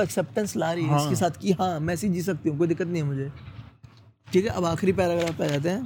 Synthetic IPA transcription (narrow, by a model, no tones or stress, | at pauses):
ɛksɛːp̚ʈə̃nslaːɾiɪkesaːt̪ʰkiːɦãːmɛ̃ːsid͡ʒd͡ʒiːs̬ɐk̚t̪iɦũk̬oːid̪ɪkːət̪̬nəɦĩmʊd͡ʒʱeː | ʈʰiːkɦɛʔɐbaːxɾipɛːɾaːɡɾaːfpɛːd͡ʒaːt̪̬eɦɛ̃ː